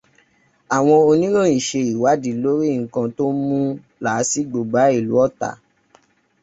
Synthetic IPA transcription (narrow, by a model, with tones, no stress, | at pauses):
a˨w̃ɔ̃˧o˧nĩ˦lõ˦˨ĩ˨ʃe˧i˨wa˨˦di˨˦lo˦ɾi˦˨ŋ̩˨˦kã˧to˦mũ˦ | la˨˦si˦ɡ͡bo˨ɡ͡ba˨˦i˦˨lu˨˦ɔ˦˨ta̰˨˦